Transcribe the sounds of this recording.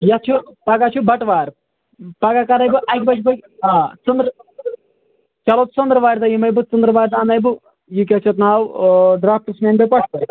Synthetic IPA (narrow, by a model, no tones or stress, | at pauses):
jɐt͡ʃʰupɐɡat͡ʃʰubɐʈʋaːɾ | pɐɡakɐɾɐjbuʔɐkʲbɐt͡ʃʰubɐt͡sund̪ɾ | t͡ʃɐloːt͡st͡sund̪ɾɐʋaːɾʲt̪ɐjimɐjbut͡sund̪ɾʋaːɾt̪aːnɐjbu | juk̬ʲɐt͡ʃʰɐt̪̬naːwɖɾaːp̚ʰʈɨsmʲaːnbɐjpɐʈʰpɐɾt̪